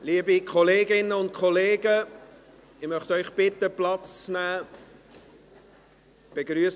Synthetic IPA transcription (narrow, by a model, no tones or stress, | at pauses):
liːəbikʰχɔleːɡɪnːəʊntkʰχɔleːɡə | ɪmœχt̪œʏχb̥ɪtəplɑt͡snæː | b̥eɡɾyəs